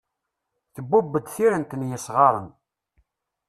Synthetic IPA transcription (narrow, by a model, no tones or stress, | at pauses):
θəbːubːəd̪θiɾənt̪ənjəsʁɑɾˤən